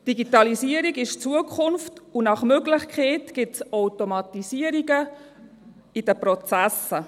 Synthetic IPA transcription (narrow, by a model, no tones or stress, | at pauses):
d̥iɡitɑlisiəɾiɡɪʃt͡suəkʰχʊnftunɑχmøɡlɪχkʰeːtɡ̥ɪtsɔwtomɑtisiəɾiɡə | idəpɾɔt͡sæsə